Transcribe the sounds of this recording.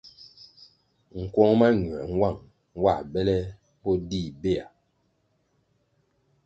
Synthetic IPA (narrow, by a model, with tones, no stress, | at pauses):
ŋ̩˨kwɔ˦ŋma˦ŋwɛ˨ŋ˦wa˦˨ŋ˦ | wa˦˨bɛ˦lɛ˦ | bɔ˦di˦˨be˦˨a˨